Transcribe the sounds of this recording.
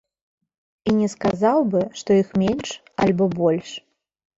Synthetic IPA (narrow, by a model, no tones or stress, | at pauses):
inʲɛskazawbɨʂt̪ɔixmʲenʲʂ | alʲbɔbɔlʲʂ